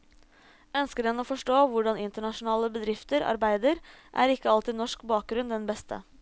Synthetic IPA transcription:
œnskəɖɛnoːfɔʂʈoːʋʊɖɑnɪnt̪əɳɑʃʊnɑːləbəd̪ɾɪft̪əɾɑ̰ɾbæɪd̪əɾʔæ̰ɾɪkːəɑlt̪iːnɔʂkbɑːk̚ɡɾʉnd̪ɛnbɛst̪ʰə̰

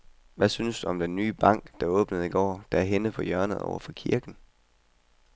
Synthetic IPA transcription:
ʋæsynəsd̥uɒ̽md̥enːyːb̥ɑ̈ŋ̰ɡ̥d̥ɑ̈ɔ̽ːb̥nəð̞̩ˠiɡ̥ɒ̰ːd̥ɑæɐɦenəpʰɒ̽jɶɐnəð̩ˠɒ̰ʊɐfɒ̽kʰiɐɡ̥n̩

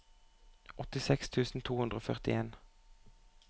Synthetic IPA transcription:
ʔɔt̪ɪsɛkst̪ʰʉːsn̩t̪ʰuːhʉnʁoːfœʁt̪ɪ̰eːn

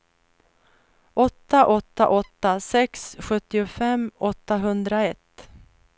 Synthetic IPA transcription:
ʔɔt̪ːaʔɔt̪ːaʔɔt̪ːasɛksɧɵt̪ːɪʊfɛmːɔt̪ːaɦɵnd̪ɾaɛt̪ː

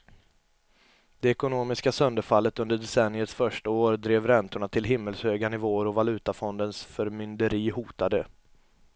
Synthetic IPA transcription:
d̪̥ɛɛkʊnoːmɪskasœnd̪əɾfalːət̪ɵnd̪əɖɛsɛnːɪət̪sfœʂʈaoːɾd̪ɾeːvɾɛnt̪ʊɳat̪ʰɪlɦɪmːəlshøːɡanɪvoːəɾɔvalʉ̟ːt̪afɔnd̪ənsfœɾmʏnd̪əɾiːhuːt̪ad̪ə

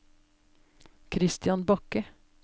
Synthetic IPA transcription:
kʰɾɪst̪ɪjɑnbɑkə

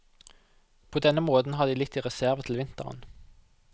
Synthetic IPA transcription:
pʰoːd̪ɛnəmoːt̪n̩ɑd̪iːlɪt̪ːiːʁɛsæʁʋət̪ʰl̩ʋɪnt̪əʁə̰n

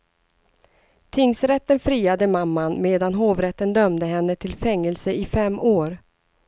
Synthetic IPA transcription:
t̪ʰɪŋsɾɛt̪ːənfɾiːad̪əmamːanmeːd̪anɦoːvɾɛt̪ːənd̪œmd̪əɦɛnːət̪ʰɪlfɛŋːɛlsəɪfɛmːoːɾ

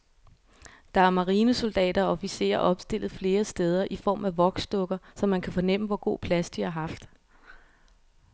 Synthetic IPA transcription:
d̥ɑ̈æɐmɑ̈ʁiːnəso̝ld̥ɛ̰ːd̥ɐɒ̽fise̝̰ːɐʔɒ̽b̥sd̥e̝l̰ð̞̩ˠfle̝ːɐsd̥eð̞ˠɐʔifɒ̰ːmæʋɒ̽ɡ̥sd̥ɔ̽ɡ̥ɐsɒ̽mːænkʰæfɒ̽nem̰əʋɒɡ̥o̝̰ːpʰlæsd̥iɑ̈ɦɑ̈fd̥

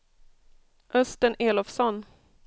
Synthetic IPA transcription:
ʔœst̪əneːlɔfsɔn

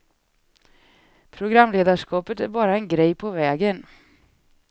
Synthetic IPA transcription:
pʰɾʊɡɾamːleːd̪aʂkʰɑːpət̪æɾbɑːɾaɛnɡɾɛjpʰɔvɛːɡən

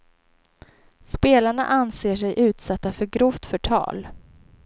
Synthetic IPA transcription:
speːlaɳa̰ʔanseːʂɛjʔʉ̟ːt̪sat̪ːafœɾɡɾʊft̪fœʈʰɑ̰ːl

